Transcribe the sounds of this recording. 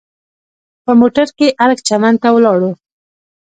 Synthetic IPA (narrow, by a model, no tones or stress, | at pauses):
pəmoʈaɾkeʔalɡt͡ʃamand̪t̪awəlɑɽu